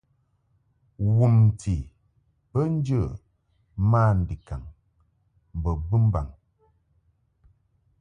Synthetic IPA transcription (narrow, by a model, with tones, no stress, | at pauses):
wu˨m˨tʰi˨ | pə˦n̩˦d͡ʒə˦˨ | maː˦n̩˨di˨ka̰˨ŋ | m̩˨bə˨bɨ˦m˦ba̰˨ŋ